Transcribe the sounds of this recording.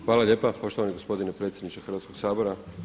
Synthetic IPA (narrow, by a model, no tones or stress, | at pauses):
xʋaːlaʎʲe̞ːpapo̞ʃt̪o̞ʋaniɡo̞spo̞d̪inepɾet̪sjed̪nit͡ʃexr̩ʋat̪skoɡsaːboɾa